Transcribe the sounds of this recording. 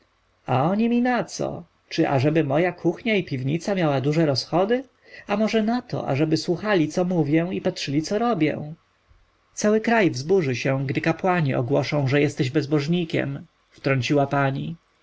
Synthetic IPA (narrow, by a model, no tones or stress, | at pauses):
aɔɲimʲinat̪sɔ̰ | t͡ʂɘʔa̰ʐɛbɘmɔjakʰuxɲaipʲivɲit̪samʲjawad̪uʐɛɾɔsxɔd̪ɘ | amɔʐɛnat̪ʰɔ̰ʔa̰ʐɛbɘswuxalʲit̪sɔmuvʲjɛw̃ipatʂɘlʲit̪sɔɾɔbʲjɛ̰̃w̃ | t̪sawɘkɾajvzbuʐɘɕɛ̃ɡd̪ɘkapwaɲḭʔɔ̰ɡwɔʂɔ̃w̃ʐɛjɛst̪ɛʑbɛzbɔʐɲikʲɛ̰m | ft̪ɾɔɲt͡ɕiwapaɲi